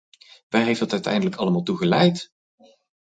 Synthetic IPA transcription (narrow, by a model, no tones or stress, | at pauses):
ʋɛɦejftdɑtœɥtɛ̰jndələkɑləmaːlˠtuχəlɛjt